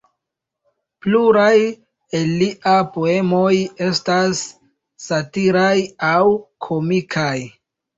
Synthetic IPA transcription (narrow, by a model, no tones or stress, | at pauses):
pluɾaj | elːiʔapo̞e̞mo̞je̞stasː | atiɾajawkʰo̞mikʰaj